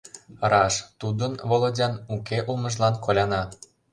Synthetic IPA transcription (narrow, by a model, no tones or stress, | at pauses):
rɑʃt̪ud̪ənvolˠodʲɑnukeʔulmə̆ʒlɑnkolʲɑnɑ